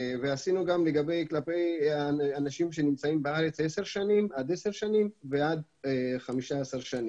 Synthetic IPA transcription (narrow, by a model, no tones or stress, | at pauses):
veasinuɡamle̞ɡabe̞jklape̞jaanaʃimʃe̞nimt͡saimbeaʁet͡se̞se̞ʁʃanimad̪ese̞ʁʃanimvead̪ | χamiʃaesaʁʃani